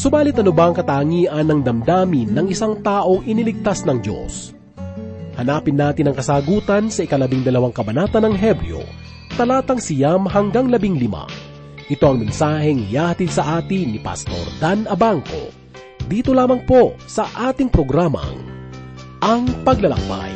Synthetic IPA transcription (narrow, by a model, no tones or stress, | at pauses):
sʊbaːlɪt̪ʔɐnʊbɐɐŋkɐt̪aːŋiːʔɐnːɐŋd̪ɐmd̪aːmɪnːɐŋʔɪsaŋt̪aːʔo̞ŋʔɪnilɪɡ̚t̪asnɐŋd͡ʒo̰s | hɐnaːpɪnːaːt̪ɪnɐŋkɐsaːɡuːt̪ɐnsɐʔɪkɐlɐbiŋd̪ɐlɐwaŋkɐbɐnaːt̪ɐnɐŋɦɛbɾɪ̰o̰ | t̪ɐlaːt̪ɐŋsɪjamɦɐŋɡaŋlɐbiŋlɪma̰ | ʔɪt̪o̞ɐŋmɛnsaːɦɛŋɪjaːhɐt̪ilsɐʔaːt̪inipɐ̰st̪o̞̰ɾd̪anɐbaŋko̞̰ | d̪iːt̪o̞laːmɐŋpo̞sɐʔaːt̪ɪŋpɾoɡɾaːmɐ̰ŋ | ʔɐŋpɐɡ̚lɐlɐ̰ŋpa̰j